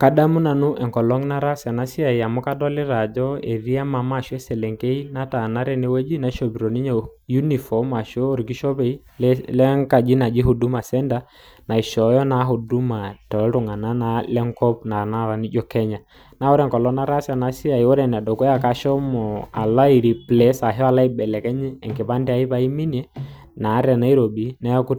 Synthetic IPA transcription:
ka˦da˦mu˦na˨nu˦ʔɛ˨ŋkɔ˨lɔ˦ŋna˦ɾa˦sa˨na˦si˦a˨ja˨mʊ˦ka˦dɔ˦lɪ˦ɾa˨d͡ʒɔ˦e˨ɾi˦a˦ma˨ma˦˨ʃɛ˦sɛ˨lɛ˨ŋke˦i˦na˦ta˨na˦ɾɛ˦nɛ˦wɛ˦d͡ʒi˦na˨˦ʃɔ˨bi˨ɾɔ˨ni˦ɲa˨ju˦ni˨fɔ˨ma˨ʃɔ˦ɔ˦ɾki˦ʃɔ˦bɛ˨i˦ | llɛ˦ŋka˨d͡ʒi˦na˨d͡ʒi˦ɦu˨du˦ma˨sɛ˦nda˦ | na˨i˨ʃɔ˨jɔ˦na˦ɦu˨du˦ma˨tɔ˨˦ɾu˨ŋa˨na˦na˦lɛ˦ŋkɔ˦pna˨na˦˨ɾa˨˦ni˦d͡ʒɔ˦kɛ˦ɲa˨ | na˦wɔ˦ɾɛ˦˨ŋkɔ˨lɔ˦na˦ɾa˦sa˨na˦si˦a˨i˨ɔ˦ɾɛ˨n˨a˨dɔ˨kɔ˦a˨ka˦ʃɔ˦mɔ˨a̰˨la˦i˨ɾi˨plɛ˦sa˨ɦɔ˦a˨la˦ibɛ˨lɛ˨kɛ˦ɲɛː˦˨ŋki˨pa˦ndi˦a˨i˦pa˦i˦mi˦n˦ɛ˦ | na˨˦ɾɛ˨na˦i˦ɾo˨bi˨˦na˦ja˦ku˦

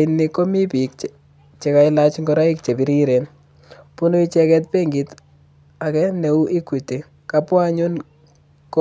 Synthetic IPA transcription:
ɪnːi˦ko˦mi˦pi˨k | t͡ʃe˨ka˦ɪla˦t͡ʃŋɡɔɾa˦i˦k̚t͡ʃe˨bi˨ɾi˦ɾen | pu˦nu˦i˦t͡ʃɛkɛ˦t̚pe˦ŋɡi˨t | a˨kɛ˦ne˨u˦ʔi˦kwi˨te˨ | kapwa˦ɲu˦n | k

